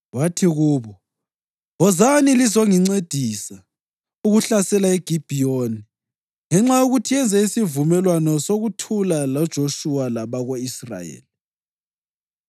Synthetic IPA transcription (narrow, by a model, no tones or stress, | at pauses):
watʰiɣuːβɔ | ɔzanilizoŋiŋ͡ǀed̥ʱisa | uɣuɬasɛlaɛɡ̥ʱib̥ʱijoni | ŋɛŋ͡ǁajoɣutʰiɛnd͡zʱɛisivumɛlwanɔsoɣutʰulalɔd̥ʒ̥ʱoʃuwalaβaɣoisra̰jḛːli